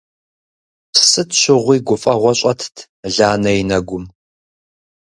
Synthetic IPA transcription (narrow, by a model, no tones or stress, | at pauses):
psɨtʰɕɪʁʷiːɡʷʊfʼɐʁʷɔɕʷʼɐtʰtʰ | ɮaːnɐjinɐɡʷʊm